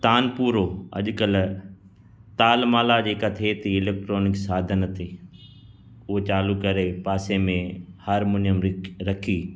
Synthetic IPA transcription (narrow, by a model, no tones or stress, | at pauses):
t̪aːnpuːɾoːɐ̰ʄkəl | t̪aːlmaːlad͡ʑeːkat̪ʰet̪ʰiɪleːk̚ʈɾoːnɪksaːd̪ʱənət̪ʰe | ʊɦet͡ɕaːlukɐɾepaːsemẽhɐɾmʊnjəmɾɐkʰiː